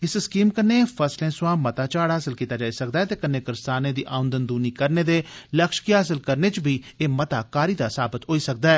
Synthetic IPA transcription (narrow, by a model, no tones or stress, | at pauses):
ɪsɪskiːmkəɾnefʰəslẽːsʋãːmət̪aːt͡ʃaːɽɦaːsɪlkiːt̪aːd͡ʒaːisək̚d̪aɛːt̪eːkənːeːkɪɾst̪aːnẽːd̪iːʔaːʊ̃nd̪ənd̪uːniːkəɾneːd̪eːləkʃkiɦaːs̬ɪlkəɾneːt͡ʃbʱiː | eːmət̪aːkaːɾiːd̪aːsaːbət̪ɦoːiːsək̚d̪aɛː